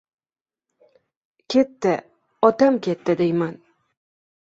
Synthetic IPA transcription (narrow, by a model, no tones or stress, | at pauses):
kʲʰe̞t̪ːɪ | ɒt̪amkʲʰet̪ːɪd̪ejman